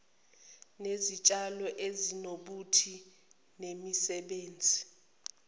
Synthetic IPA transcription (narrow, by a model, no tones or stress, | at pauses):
nezit͡ʃʼalɔʔezinoɓutʰi | nemisɛɓeːnd͡zʱi